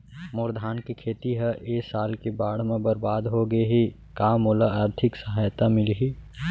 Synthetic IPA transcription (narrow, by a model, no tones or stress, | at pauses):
mʊɾd̪ʱaːnkikʰeːt̪iɦɛʔeːsaːlkebaːɽ̤mẽbɐɾbaːd̪ɦoɡəeɦi | kaːmolaaːɾt̪ʰɪksəɦaːjt̪amɪlɦi